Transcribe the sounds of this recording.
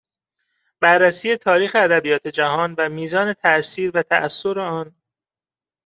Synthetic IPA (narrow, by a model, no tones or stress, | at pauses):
b̥ærːæsiːje̞t̪ʰɒːɾiːxeæd̪æbijɒːt̪ʰe̞d͡ʒæɦɒːnvæmiːzɒːne̞t̪ʰæʔsiːɾvæt̪ʰæʔæsːoɾeɒːn